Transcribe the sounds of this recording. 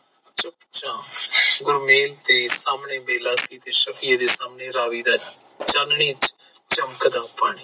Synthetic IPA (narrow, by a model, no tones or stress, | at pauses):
t͡ʃəpt͡ʃãːɡʊɾmeːlt̪eːsaːmɳeːmeːlaːsiːt̪eːʃəkijaːd̪eːsaːmneːɾaːʋiːd̪aː | t͡ʃaːnɳĩːt͡ʃ | t͡ʃəmkəd̪ãːpaːɳiː